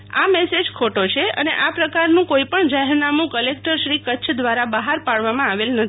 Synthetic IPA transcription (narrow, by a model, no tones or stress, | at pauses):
a̰mɛsed͡ʒkʰoʈot͡ʃʰeʔə̰nḛʔapɾəkaɾnũkoipəɳd͡ʒaɦeɾnamũkəlek̚ʈəɾʃɾikət͡ʃʰd̪ʋaɾabəɦaɾpaɭʋamãaʋelnət̪ʰi